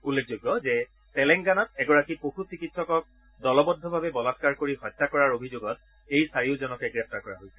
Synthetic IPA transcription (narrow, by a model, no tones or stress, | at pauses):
ulːek̚ʰzojɡːɔzɛ | tɛlɛŋɡanɔtɛɡɔɹakipoxut͡ɕikitsɔkɔk̚ | dɔlɔbɔd̪ʱːɔbʱabɛbɔlaskaɹkoɹihɔtːakɔɹaɹobʱizoɡɔt̚ | ejsaɹiʊzɔnɔkɛɡɹɛp̚taɹkɔɹaɦojsɛ̥